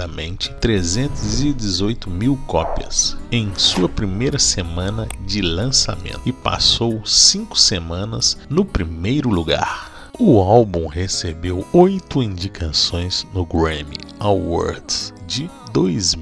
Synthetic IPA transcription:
ɐmẽnt͡ʃɪ̥t̪ɾezẽnt̪ʊzɪd͡ʒɪzojt̪ʊmiwkɔpiɐ̰sẽj̃suɐpɾimejɾɐsemɐ̃nɐd͡ʒɪlɐ̃sa̰mḛ̃nt̪ɪpa̰sowsĩŋkʊ̥semɐ̃nɐznʊpɾimejɾʊluɡa̰ɾ | ʊawbũhesebewojt̪ʊĩnd͡ʒikʰasõj̃z̥nʊɡɾẽmḭawa̰ɾd̪sd͡ʒɪd̪ojz

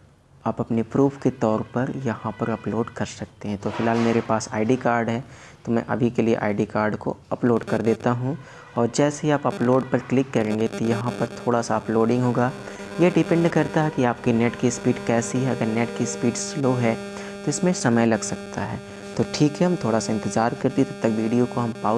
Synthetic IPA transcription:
aːpɐpnepɾuːfket̪ɔːɾpɐɾjɐɦãpɐɾɐploːɖkɐɾsɐk̚t̪eɦɛ̃t̪ofɪlɦaːlmeːɾepaːsaːɪɖikaːɾɖɦɛː | t̪omɛ̰̃ʔɐ̰bʱikeliḛʔa̰ːɪɖikaːɾɖko̰ɐploːɖkɐɾd̪eːt̪aɦũ | ɔːɾd͡ʒɛːseɦiaːpɐploːɖpɐɾklɪkːɐɾẽːŋɡet̪ojɐɦãpɐɾt̪ʰoːɽasaɐploːɖɪ̃ŋɡɦoːɡaː | jeɖɪpɛ̃ɳɖkɐɾt̪aɦɛkiaːp̚kinɛʈkispiːɖkɛːsiɦɛɐɡəɾnɛːʈkispiːɖsloːɦɛ | t̪oɪsmẽsɐməjlɐɡsɐk̚t̪aɦɛː | t̪oʈʰiːkɦɛɦɐmt̪ʰoːɽasaɪ̃nt̪ɪzaːɾkɐɾt̪iɛt̪ɐb̚t̪ɐkʋiːɖijokoɦɐmpaː

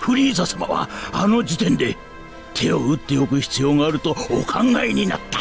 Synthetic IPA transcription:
ɸɯ̟ɾʲiːzasama̰βa̰ano̞d͡ʑit̪ẽ̞nd̪e̞ | t̪ʰe̞o̞ɯ̟t̪ːe̞o̞kɯ̟çi̥t͡sɨjo̞ːɡaːɾɯ̟t̪o̞ːkʰãŋɡaeɲ̟ina̰t̪ːḁ

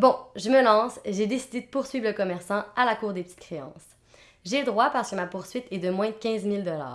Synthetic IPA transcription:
bɔ̃ʒəməlɑ̃seʒed̪esid̪ed̪əpuʁsɥiːvləkɔmɛʁsɑ̃alakuːʁd̪epə̥t̪i̥t̪kχeɑ̰̃ːs | ʒeləd̪ʁwapaʁsəkəmapuʁsɥit̪ɛd̪əmwɛ̃kʲɛ̃zmild̪əla̰ː

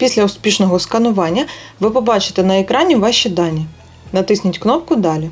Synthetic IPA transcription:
pʲisʲlʲɐʊspʲiʃnɔɦɔskɐnʊʋɑnʲːɐʋɪpɔbɑt͡ʃɪ̥t̪ɛnɐekɾɑnʲiʋɑʃid̪ɑnʲi | nɐt̪ɪsʲnʲɐtʲknɔp̚kʊd̪ɑlʲi

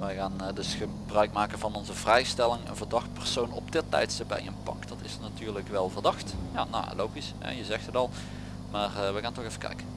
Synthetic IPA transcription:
ʋəjɣaːndɵsxə | brœɥkmaːkənvɑnɔnzəvrɛjstɛlɪŋə̰nvərdɑxt̚pɛrsownɔpdɪtːɛ̰jtstəpɛ̰jə̰npɑ̰kd̥ɑtɪsnatyːrləkʋɛlˠvərdɑxtja̰no̰lowɣisɦɛ̰jəzɛxtətɑlˠ | maːrʋəɣaːntɔxejfə̥kɛ̰jkən

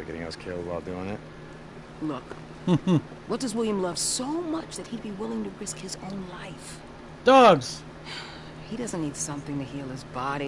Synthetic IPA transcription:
ɡɛɾɪ̃ŋa̰ʊskʰɪlˠdbaɪlˠdʉɪ̃ŋɪt̚ | lʊk | h̩ | wʌt̚d̥ʌzwɪlˠjɨ̃mlʌv̥soʊmʌt͡ʃðɨt̚hid̚biwɪlˠɪ̃ŋtɨɹɪskhɨzõʊ̃nlaɪf | d̥ɔɡz̥ | hiɾʌzɨ̃nnːid̥sʌ̃mθɪ̃ŋtɨɦilˠɨzbɑɾi

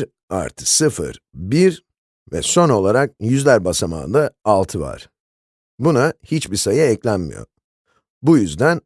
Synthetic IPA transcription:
ɾ | a̰ɾt̪ʰɯ̥sɯfɯ̰ɾbiɾ | vɛ̰so̞no̞lˠaɾak̚jyzlʲæɾbasama̰ːd̪aalˠt̪ʰɯva̰ɾ̥ | bunahit͡ʃbisajaɛclʲænmḭjo̰ | bujyzd̪æn

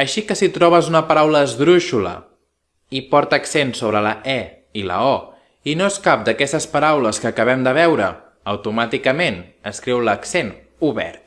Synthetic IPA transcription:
əʃikəsit̪ɾɔβ̞əzunəpəɾawləːzðɾuʃulə̰ | ipɔɾt̪əksensoβɾələʔɛ | ilə̰ɔ | inoeskap̚d̪əkɛst̪əspəɾawləskəːkəβ̞ɛmd̪əβ̞ɛwɾə | əwt̪umat̪ikəmenəskɾiwləksen | uβɛ̰ɾt̪̚

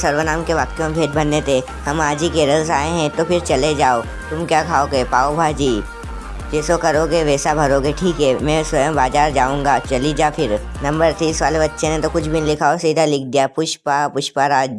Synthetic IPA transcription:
sɐɾʋənaːmkeʋaːk̚t̪jõmẽbʱeːʈ̪̚bɐnːet̪ʰe | hɐmaːd͡ʒikeːɾəls̬aːeɦɛ̃t̪opʰɪɾt͡ʃɐled͡ʒaːo | t̪ʊmkjakʰaːoːɡepaːobʱad͡ʒiː | d͡ʒɛːsokɐɾoːɡeʋeːsabʱɐɾoːɡeʈʰiːkɦɛːmɛ̃sʋɐjəmbaːd͡ʒaːɾd͡ʒaːũːŋɡat͡ʃɐlid͡ʒapʰɪɾ | nɐ̃mbəɾt̪ʰiːsʋaːlebɐtːʃʰenet̪okʊt͡ʃʰbʱinlɪkʰaːosiːd̪ʱalɪk̚ʰd̪ijapʊʃpapʊʃpaɾaː

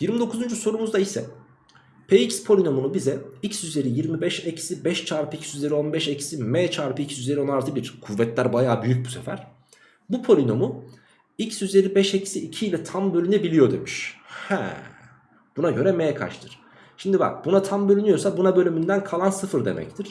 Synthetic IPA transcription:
jiɾmid̪o̞kʰuzund͡ʒyso̞ɾumuzd̪aisɛ̰ | pʰeicspʰo̞lʲino̞munubizɛicsyze̞ɾijiɾmibɛʃecʰi̥sibɛʃt͡ʃʰaːɾpɯicʰsyze̞ɾio̞nbɛʃecʰi̥simɛːt͡ʃʰaːɾpɯicʰi̥syze̞ɾio̞naɾt̪ʰɯbiɾ̥kʰuvːɛt̪lʲæɾbajaːbyjyc̚busefæ̰ɾ̥ | bupʰo̞lʲino̞mu | icsyze̞ɾibɛʃe̞cʰi̥siːcʰiːlʲɛt̪ʰambø̞lʲynɛbilʲijo̞d̪e̞̰miʃhɛ̰ | b̥unaɟø̞ɾɛmeːkʰa̰ʃt̪ʰɯɾ̥ | ʃimd̪iba̰k̚bunat̪ʰambø̞lʲynyjo̞sabunabø̞lʲymynd̪ænkʰalˠansɯfɯɾd̪e̞̰mʔɛ̰c̚t̪ʰiɾ̥

